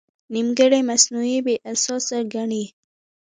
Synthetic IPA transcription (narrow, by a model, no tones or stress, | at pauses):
nimɡəɽemasnuibeʔasɑsaɾɡaɳi